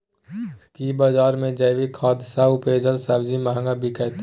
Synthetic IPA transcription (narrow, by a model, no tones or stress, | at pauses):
skiːbaːd͡ʒaːɾmẽd͡ʒɐɪʋikʰɔːd̪saʊpeːd͡ʒəlsɐbd͡ʒimaɦə̃ŋɡabʱikəɦt̪